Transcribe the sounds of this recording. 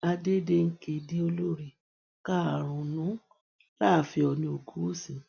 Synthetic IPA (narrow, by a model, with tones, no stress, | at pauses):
a˧de˦de˦ŋ̩˦ke˧˨di˦o˧lo˦ɾi˦˨ | ka˦a˨ɾ̃ũ˨nũ˨˦ | la˦˨fi˧ɔ˧nĩ˧o˨ɡu˦sĩ˨